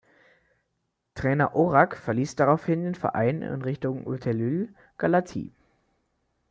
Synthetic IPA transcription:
tʁ̥ɛːnɐʔoʁakfɛɐliːsd̥aʁaʊfhɪndeːnfɛɐʔa̰ɪnɪ̰nʁɪçtʊŋʔṵtʰɛlyl | ɡ̥alatʰḭː

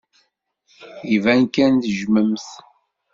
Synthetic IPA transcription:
ivænkænθəʒməmθ

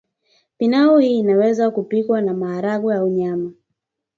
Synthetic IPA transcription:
pinauhiːnawɛzakupikwanamaːɾaɓujauɲama

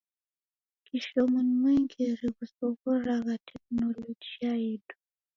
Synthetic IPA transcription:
kiʃɔmunmwɛŋɡiɾikusɔɣɔɾaɣatʰɛk̚nɔlɔd͡ʒiaidu

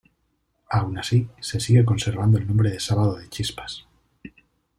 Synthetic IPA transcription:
awnasise̞siɣe̞k̬o̞nse̞ɾβ̞and̪oe̞lnõmbɾeðe̞saβað̞oðe̞t͡ʃispḁs

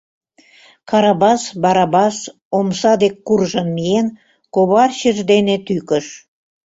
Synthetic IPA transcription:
kɑɾɑbɑsbɑɾɑbɑs | omsɑd̪ekːurʒɤ̆nmien | koβɑrɕə̆ʒd̪enet̪ykə̆ʃ

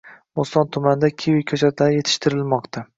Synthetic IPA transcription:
most̪ɒnt̪ʰʊmand̪akʲʰewɪkʲʰɵt͡ʃʰat̪ʰlaɾje̞t̪ʰɪ̥ʃt̪ʰɪɾɪlmɒqt̪ʰa

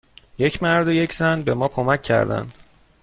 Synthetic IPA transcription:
je̞cʰmæɾd̪oje̞cʰz̥ænbe̞mɒːkʰo̞mæcʰːæ̰ɾd̪æ̰nd̪̥

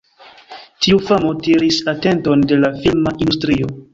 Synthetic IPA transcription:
tiufamo̞tiɾisate̞nto̞nde̞lafilmaʔindustɾio̞

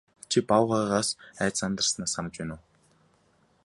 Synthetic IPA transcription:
t͡ɕʰipawʁaːʁaːsæːt͡sant̪ə̆rsnaːsamə̆t͡ɕpænʊː

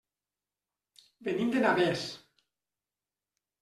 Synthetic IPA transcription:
benimd̪enaβes

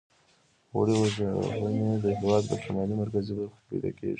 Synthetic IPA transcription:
waɽewaʒə̰ɦəned̪əɦɪwɑd̪ːəʃamɑlimaɾkazibaɾxbḭd̪ɑ̰kḛʒi

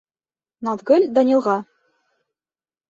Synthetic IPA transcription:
nɑt̪ɡɤ̆lʲd̪ɑnʲĭlˠʁɑ

